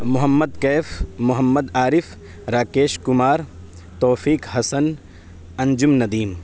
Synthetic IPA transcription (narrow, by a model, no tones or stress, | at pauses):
mʊɦɐmːɐd̪keːfmʊɦɐmːɐd̪aːɾɪf | ɾaːkeːʃkʊmaːɾ | t̪oːfiːkɦɐsɐn | ɐ̃nd͡ʒumnɐd̪iːm